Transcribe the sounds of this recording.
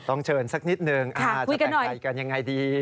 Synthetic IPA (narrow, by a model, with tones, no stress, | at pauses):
t̪ɔ˥˩ŋt͡ɕʰɤː˧nsa˦˥k̚ni˦˥t̪̚nɯ˧ŋʔaa˧˥˩ku˧jka˧nːɔ˨˩ja˧jka˧nja˧ŋːa˧jdiː˧